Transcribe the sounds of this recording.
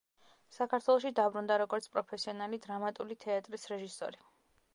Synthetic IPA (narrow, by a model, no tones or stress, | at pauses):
sakʰaɾt̪ʰwɛlˠɔʃid̪abɾund̪aɾɔɡɔɾt̪sʰpʼɾɔpʰɛsiɔnalid̪ɾamat̪ʼulit̪ʰɛat̪ʼɾisɾɛʒisɔ̰ɾi